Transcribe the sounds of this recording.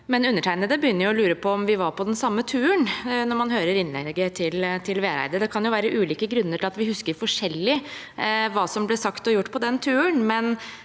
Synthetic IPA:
mɛnʉnːəʈʰæɪnəd̪əbəjʏnːəɾjʊɔlʉːɾəpʰɔːmʋɪʋɑɾpʰɔd̪ɛnsɑmːət̪ʰʉːənnɔɾmɑnɦøːɾəɾɪnlɛ̰ɡːət̪ʰɪlt̪ʰɪlʋeːɾæ̰ɪd̪əd̪ɛkʰɑnjʊʋæːɾəʔʉːliːkəɡɾʉnːəʈʰɪlɑt̪ʋɪhʉskəɾfɔʂɛlːɪ | ʋɑːsɔmblɛsɑkt̪ɔjʊʈːpʰɔd̪ɛnt̪ʰʉːənmɛn

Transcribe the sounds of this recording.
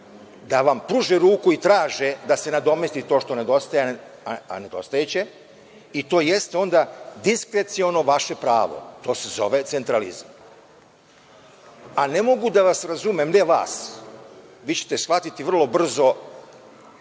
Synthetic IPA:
d̪aʋampɾuːʒeɾuːkuit̪ɾaːʒed̪ase̞nad̪o̞mest̪it̪o̞ʃt̪one̞d̪o̞st̪aje | aa̰ne̞d̪o̞̰st̪ajet͡ɕe̞ | it̪o̞ːjest̪eo̞nd̪ad̪iskɾe̞t̪sio̞no̞ʋaʃe̞pɾaːʋo̰t̪o̞ːse̞zo̞ʋet̪se̞nt̪ɾalḭzam | ane̞mo̞ɡud̪aʋasɾazumemneʋa̰ːs | ʋiːt͡ɕet̪esxʋat̪it̪iʋr̩lˠo̞br̩zo̞

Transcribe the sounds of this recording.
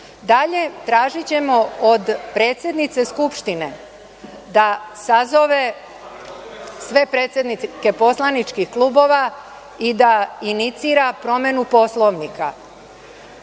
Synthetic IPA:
d̪aʎe̞t̪ɾaːʒit͡ɕe̞mood̪pɾe̞ːt̪sʲje̞d̪nit̪se̞skupʃt̪ine̞ | d̪asazo̞ʋe̞ | sʋe̞pɾe̞ːt̪sʲje̞d̪nike̞po̞slˠanit͡ʃkixklˠuːbo̞ːʋa | id̪ainit̪siːɾapɾo̞me̞nupo̞slˠo̞ʋnika̰

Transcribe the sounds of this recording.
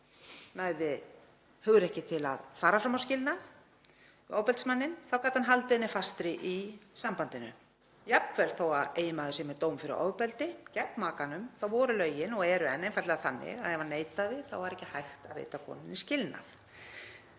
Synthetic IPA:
naːjðɪ | hʏɣɾɛhcɪt̪ʰɪla̰ðfaːɾafɾamawscɪlnaθ | ɔːwpɛlt̪smanːɪnθawkaːt̪hanɦalt̪ɪnɪfast̪ɾɪʔisampant̪ɪnʏ̰ | japnvɛɾ̥θowaðeːjɪmaðʏsɛmɛðt̪owmfɪɾɪ̰ʔɔ̰ːwpɛlt̪ɪcɛpmaːkanʏmθawvɔːɾʏlœːɥjɪnɔɛɾʏɛnːejnfaɾt̪lɛɣaθanːɪ̰ɣaðɛvanːeːjt̪aðɪθa̰wvaɾɛhcːɪhajxt̪aðvḛːjt̪akʰɔ̰ːnɪniscɪlna̰θ

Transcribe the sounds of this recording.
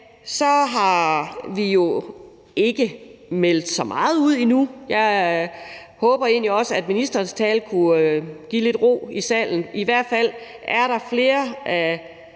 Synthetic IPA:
sɒ̽ɦɑ̈ʋijo̝ | e̝ɡ̥əmel̰d̥sɒ̽mʔɑ̈ːð̞̩ˠuð̞̰ˠinujɑ̈ɪ | hɔ̽ːb̥ɐe̝̰ːnliɒ̽səæd̥minisd̥ɐːnst͡sʰɛːlkʰuɡ̥ḭːle̝d̥ʁo̝̰ːisɛ̰l̰n̩iʋæɐ̰d̥fæl̰ | ʔæɐɾ̥ɑ̈fle̝ːɐʔæ

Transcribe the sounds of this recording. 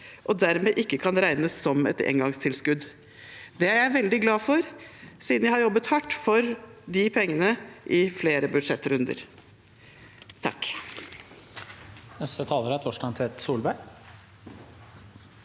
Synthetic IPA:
ʔɔd̪æɾmeːʔɪkːəkʰɑnɾæɪnəsɔmɛ̰t̪ḛːŋɡɑŋst̪ʰɪlskʉd̪ | d̪ɛæɾjæɪʋɛld̪ɪɡlɑːfɔɾsiːd̪njæhɑɾjɔbːət̪hɑʈːfɔɾd̪ɪpʰɛŋːənəʔɪfleːɾəbʉd̪ʂɛt̪ːɾʉnd̪ə̰ɾ | t̪ʰɑ̰kː | nɛst̪ət̪ʰɑːləɾæt̪ʰɔʂɖɑnt̪ʰʋɛt̪suːlbæɳ

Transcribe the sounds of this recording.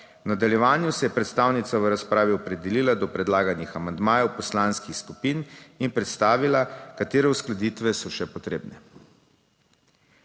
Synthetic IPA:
wnad̪aljɛʋaːnjusɛjɛpɾɛt̪st̪awnit̪saʋəɾaspɾaːʋiɔpɾɛd̪ɛliːlad̪ɔpɾɛd̪laːɡanixamand̪maːjɛwpɔslaːnskixskupininpɾɛt̪st̪aːʋilakat̪eːɾɛusklad̪iːt̪ʋɛsɔʃɛpɔt̪ɾeːbnɛ

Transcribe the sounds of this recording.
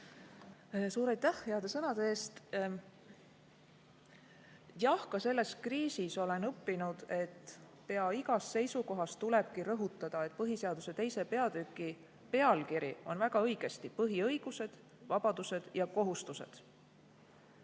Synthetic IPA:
suːɾɑjt̪ːˑæhheɑd̪̥e̞sɤnɑd̪eeːst̪ | jɑhkɑse̞lːe̞skriːsiso̞le̞nɤpːinud̪̥e̞t̪ː | pe̞ɑiɡɑsːe̞jsuko̞ɦɑst̪ule̞b̥̚kiɾɤɦut̪ːˑɑd̪̥ɑet̪̚ːˑpɤɦise̞ɑd̪̥use̞t̪e̞jse̞pe̞ɑd̪̥ykːˑi | pe̞ɑlkiɾio̞nvæɡ̥ɑɤjɡ̥e̞st̪ipɤɦiɤ̞jɡ̥use̞d̪̥ | vɑb̥ɑd̪use̞d̪̥jɑko̞ɦust̪use̞̰d̪̥

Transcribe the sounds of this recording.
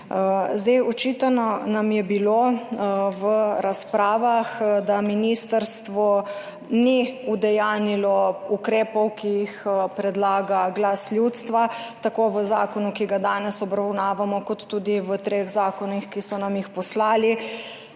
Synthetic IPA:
zd̪ejɔt͡ʃit̪anɔnamjɛbilo | ʋəɾaspɾaːʋaxd̪aminiːst̪əɾst̪ʋɔ | niud̪ɛjaːnilɔukɾeːpɔwkijixpɾɛd̪laːɡaɡlasljut̪st̪ʋat̪akoʋəzaːkɔnukiɡad̪aːnɛsɔbɾawnaːʋamɔkɔt̪ːuːd̪iʋət̪ɾeɣzaːkɔnixkisɔnamjixpɔslaːli

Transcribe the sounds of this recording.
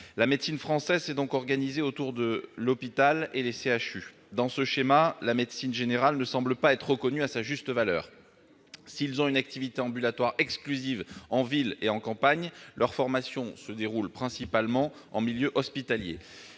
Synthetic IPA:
lamɛd̪sinfχɑ̃sɛzsɛd̪ɔ̃kɔʁɡanizeot̪uʁd̪əlɔpit̪aleleseaʃy | d̪ɑ̃səʃemalamɛd̪sinʒeneʁalnəsɑ̃bləpaɛt̪χəʁəkɔnyasaʒyst̪əvalœːʁ | silzɔ̃ynak̚t̪ivit̪eɑ̃bylat̪waʁɛksklyzivɑ̃vileɑ̃kɑ̃paɲlʔœʁfɔʁmasjɔ̃səd̪eʁulpχɛ̃sipalmɑ̃ | ɑ̰̃miljøʔɔspit̪aljḛ

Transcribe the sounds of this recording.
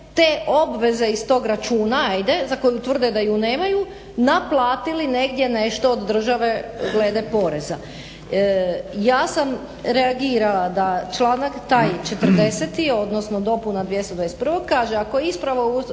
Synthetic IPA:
t̪e̞ʔo̞bʋe̞ze̞ist̪o̞ːɡɾat͡ʃuːnajd̪e̞zako̞jut̪ʋr̩d̪ed̪ajune̞ːmaju | naplˠaːt̪iline̞ɡd̪je̞ne̞ʃt̪o̞ːd̪ːr̩ʒaʋe̞ɡle̞ːd̪epo̞ɾe̞za | jaːsam | ɾe̞aɡiːɾalad̪at͡ʃlˠaːnakt̪ajt͡ʃet̪r̩d̪e̞set̪io̞d̪no̞snod̪o̞punad̪ʋje̞st̪od̪ʋaest̪pr̩ʋo̞ɡ̚kːaːʒeakojeispɾaʋo

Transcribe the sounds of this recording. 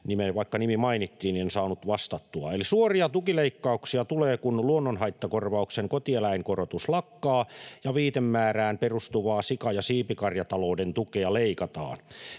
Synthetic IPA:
nimeʋɑikːɑnimimɑinit̪ːiːnniensɑːnut̪ʋɑst̪ɑt̪ːuɑ̰elisuoriɑt̪ukileikːɑuksiɑt̪uleːkunluonːonhɑit̪ːɑkorʋɑukseŋkot̪ielæiŋkorot̪uslɑkːɑːjɑʋiːt̪emːæːræːmperust̪uʋɑːsikɑjɑsiːpikɑrjɑt̪ɑloːdent̪ukeɑleikɑt̪ɑ̰ːn

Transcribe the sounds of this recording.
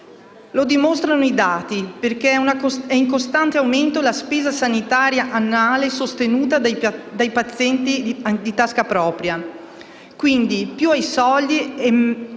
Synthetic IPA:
lod̪imost̪ɾanoid̪aːt̪iperkeɛnaɛiŋkost̪ant̪eawment̪olaspeːzasanit̪aːɾjaʔanːaːlesost̪enuːt̪ad̪d̪ajpat̪sːjɛnt̪id̪it̪askapɾɔːpɾja | kwind̪ipjuajsɔld̪iɛ

